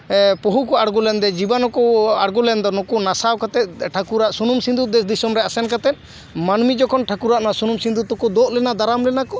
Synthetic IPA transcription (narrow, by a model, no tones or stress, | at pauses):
pɔɦukɔaɽɡulɛnd̪ɛd͡ʒibanɔkɔaɽɡulɛnd̪ɔnɔkɔnasawkat̪ɛt̪̚ˀʈʰakuɾaʔsunumsind̪ud̪ɛsd̪isɔmɾɛasɛnkat̪ɛt̪̚ | manmid͡ʒɔkʰɔnʈʰakuɾaʔnasunumsind̪ut̪ɔkɔd̪ɔʔlɛnad̪aɾamlɛnakɔ